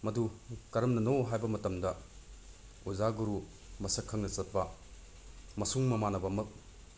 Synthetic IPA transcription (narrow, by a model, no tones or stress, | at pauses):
mɐdukɐɾɐmnɐnoɦajbɐmɐtɐmdɐ | uzaɡuɾu | mɐsɐkʰːɐŋnɐt͡ʃɐt̚pɐ | mɐsuŋmɐmanɐbɐmɐk̚